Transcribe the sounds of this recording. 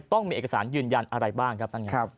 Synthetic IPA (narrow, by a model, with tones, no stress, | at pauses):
t̪ɔ˥˩ŋmiː˧ʔe˨˩ka˧saː˩˦njɯː˧nja˧nʔa˧ɾa˧jbaː˥˩ŋkʰa˦p̚t̪ʰa˥˩nŋa˦˧